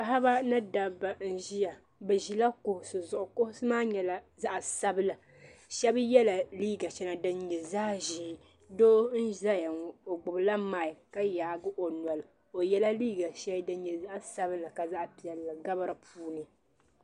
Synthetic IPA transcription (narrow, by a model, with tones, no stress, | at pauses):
pa˦ha˦ba˦nɨ˦da˨bːa˨n̩˦˨ʒi˦ja˨ | bɛ˨ʒi˨la˦kʊ˨hʊ˨sɨ˨zʊ˨ʔʊ˨kʊ˦hʊ˦sɨ˦maː˦ɲɛ˨la˨za˦ʔa˨sa˦bɨ˦la˨ | ʃɛ˦bjɛ˦la˨liː˦ɡa˨t͡ʃɛ˦na˨dɨ˦nɲɛ˨zaː˦ʒiː˦ | doː˦n̩˦ʒa˦ja˨o˨ɡ͡bʊ˨bla˦maː˨ɪ˨ka˦jaː˨ɡɨ˦ʔo˨nɔ˨lɨ˨ | o˨jɛ˦la˦liː˦ɡa˨ʃɛ˦dɨ˦n˦ɲɛ˨za˦ʔsa˦bɨ˦la˨ka˨za˦ʔpi˨ɛ˨lːa˨ɡa˦ba˦ɾɨ˨pʰuː˦nɨ˨